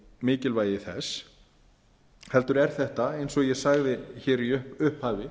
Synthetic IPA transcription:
mɪːcɪlvaːjðɪθɛ̰s | hɛlt̪ʏɾɛɾ̥θɛht̪aejnsɔɣjɛɣsaɣðɪçɛːɾiʏhpʏhphaːvɪ

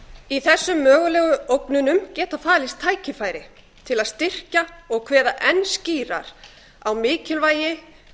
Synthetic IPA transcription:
iθɛsːʏmːœːɣʏlɛːɣʏowknʏnʏmcɛːt̪afaːlɪst̪ʰːaːjcɪfaːjɾɪ | t̪ʰɪlaðst̪ɪr̥caɔɣkʰv̥ɛːðaʔɛnsciːɾa̰ɾ̥ | awmɪːcʏlvaːjɪ

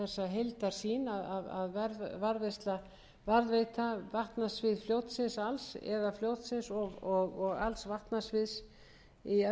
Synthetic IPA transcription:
ɛsːaɦejlt̪aɾ̥siːnaðaða̰ðvaɾvaɾvest̪la | vaɾðvejt̪avaht̪nasvɪðfljoːwt̪sɪnsalsɛ̰ðafljowt̪sɪnsɔɣɔɣɔɣa̰lsvaht̪nasvɪðs | i

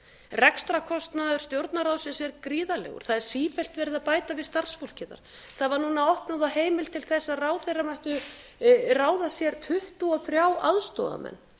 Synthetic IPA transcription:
rɛkst̪ɾakʰɔst̪naðʏɾ̥st̪jowɾt̪naɾaːwsɪnsɛɾkɾiːðalɛ̰ɣʏ̰ɾ̥θaðɛɾ̥siːfɛl̥t̪vɛːɾɪðapaːjt̪avɪðst̪ar̥sfowl̥cɪða̰ɾ̥ | θaðvaɾnunaɔhpnaðaheːjmɪl̥t̪ʰɪlθɛsːaðraːwθejramajht̪ʏ | raːwðasjɛɾ̥t̪ʰʏht̪ʏɔθɾjaːwʔaðst̪ɔ̰ːða̰mɛ̰nː

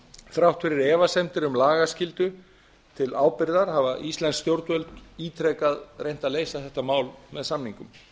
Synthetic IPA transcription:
θɾawht̪fɪɾɪɾɛːvasɛmt̪ɪɾʏmlaːɣascɪlt̪ʏ | t̪ʰɪlaːwpɪɾðaɾ̥havaʔist̪lɛnst̪jowɾt̪vœlt̪iːt̪ʰɾɛkaðrejn̥t̪aleːjsaðθɛht̪amaːwlmɛðsamniŋkʏm

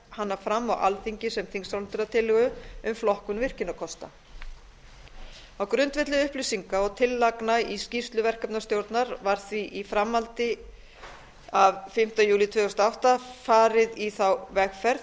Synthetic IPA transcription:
hanːafɾamːawʔa̰lθiɲcɪsɛmθiŋsawlɪnt̪ʏɾat̪ʰɪlːɪɣʏʏmflɔhkʏnvɪr̥cɪnːakʰɔst̪a̰ | awkɾʏnt̪vɪht̪lɪʏhplisiŋkaɔɣt̪ʰɪlːaknaiscist̪lʏvɛr̥kapnast̪jowɾt̪naɾvaɾ̥θviʔifɾamːalt̪ɪ | avfɪm̥t̪ajuːlit̪ʰvʏːɣʏst̪aawht̪afaːɾɪðiθawvɛxfɛɾ

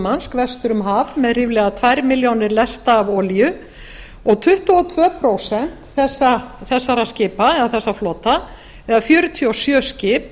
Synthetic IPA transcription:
manskvɛst̪ʏɾʏmɦavmɛðrɪːvlɛɣat̪ʰvajɾmɪljownɪɾlɛst̪aːvɔljʏ | ɔɣt̪ʰʏht̪uɔt̪ʰvœːpʰɾowsɛn̥t̪θɛsːaθɛsːaɾascɪːpaɛðaθɛsːaflɔːt̪a | ɛðafjœːɾʏt̪ʰiɔsjœːscɪːp

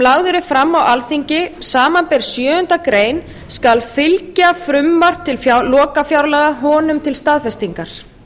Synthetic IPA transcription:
laɣðʏɾɪfɾamːawalθiɲcɪsaːmanpɛɾ̥sjœːʏnt̪akɾeːjn | skalfɪlcafɾʏmːar̥p̚t̪ʰɪlfalɔːkafjawɾlɛɣaɦɔːnʏmt̪ʰɪlst̪aːðfɛst̪iŋkaɾ̥

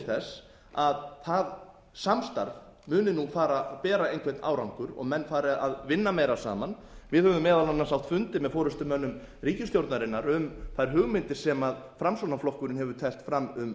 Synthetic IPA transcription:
θɛs | aðθað | samst̪a̰ɾvmʏːnɪnufaːɾapɛːɾaejnkʰvɛtnʔa̰ːwɾawŋkʏɾɔ̰ɣmɛnːfaːɾɪaðvɪnːameːjɾasa̰ːman | vɪðhɛvʏmɛːðalanːansawht̪fʏnt̪ɪmɛðfɔːɾʏst̪ʏmœnːʏm | riːcɪsjowɾt̪naɾɪnːaɾʏmθajɾ̥ɦʏɣmɪnt̪ɪɾ̥sɛmaðfɾamsonaflɔhkʏɾɪnɦɛvʏɾt̪ʰɛl̥t̪fɾamːʏm

